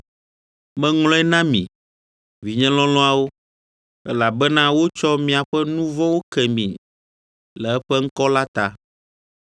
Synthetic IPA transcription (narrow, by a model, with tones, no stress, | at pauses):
mɛ̃˦ŋlɔ̃˦ɛ˦nã˦mḭ̃˨ | vi˨ɲɛ̃˦lɔ̃˦lɔ̃˦a˦wo˦ | ɛ˦la˨bɛ˦nã˦wo˦t͡ʃɔ˦mĩ˨a˨ɸɛ˦nũ˦vɔ̃˦wo˦kɛ˨mḭ̃˨ | lɛ˨ɛ˦ɸɛ˦ŋ̩˦kɔ˦la˦t̪a˦